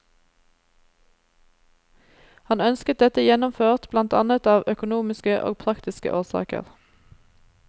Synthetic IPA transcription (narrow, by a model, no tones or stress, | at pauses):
hɑnœnskət̪̚d̪ɛt̪əjɛnʊmføːʁt̪blɑnt̪ʰɑ̰nət̪ɑːʋœkʊnuːmɪskəʔo̰ːɡ̚pʰʁɑkt̪ɪskə̰ʔoːʁsɑ̰ːkə̰ʁ